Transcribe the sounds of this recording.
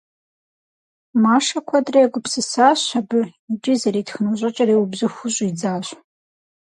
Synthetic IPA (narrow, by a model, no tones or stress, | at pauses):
maːʂɐkʷʰɐdriaɡʷʼʊpsɨsaːɕabɨid͡ʒizɐɾiːtxɨnuʑʷʼɐt͡ʃʼɐriːubzɨxʷʊɕʷʼid͡zaːɕʷ